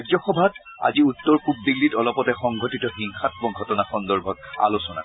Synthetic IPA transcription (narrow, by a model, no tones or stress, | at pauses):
ɛɡzɔxɔbʱat | a̰ziutːɔɹpub̚diɡlːitɔlɔpɔtɛxɔŋɡʱotitɔxiŋxatbɔŋɡʱɔtɔnaxɔndɔɹbʱɔta̰losɔna̰